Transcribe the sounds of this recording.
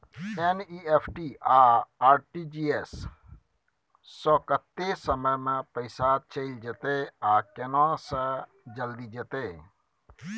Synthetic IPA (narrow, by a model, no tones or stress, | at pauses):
eniːeːpʰʈiːaːaːɾʈid͡ʒiːes | ɔːkət̪ːesəməjmẽpəɪsat͡ʃeld͡ʒet̪eaːkenãsə̃ | d͡ʒəld̪id͡ʒet̪eː